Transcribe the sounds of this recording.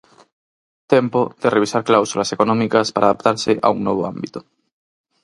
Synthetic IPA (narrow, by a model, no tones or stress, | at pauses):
t̪empoð̥ereβisaɾklawsulasekonɔ̃mikaspaɾaðap̚t̪aɾsɪʔa̰uŋnoβ̞oa̰mbit̪o̥